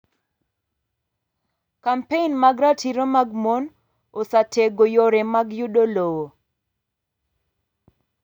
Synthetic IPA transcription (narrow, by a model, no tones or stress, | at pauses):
kampeinmaɡɾatʰiɾomaɡmon | osateɡojoɾɛmaɡjuɗolowo